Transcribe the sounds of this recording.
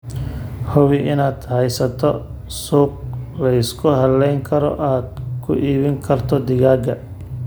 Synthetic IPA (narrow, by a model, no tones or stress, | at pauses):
hʊwɪʔɪnaːd̪̥hɛjsɐt̪ʰɔ | suːq̚lɛjɪskʰʊɦɐlɛjŋkʰɐɾɔ̰ʔaːd̪̚kʰʊʔiːβɪŋkʰɐrt̪ʰɔd̪ɪɣaːɡɐ